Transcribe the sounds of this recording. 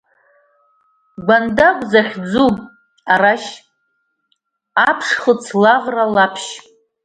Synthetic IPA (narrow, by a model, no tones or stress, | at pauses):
ɡʷandakʷʼzaχʲd͡zu | araʃ | apʰʂχət͡sʰlaʁralapʰʃ